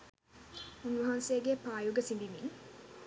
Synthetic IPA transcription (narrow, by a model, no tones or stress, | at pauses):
unʋɐɦansejəɡepaːjuɡəsinbimiŋ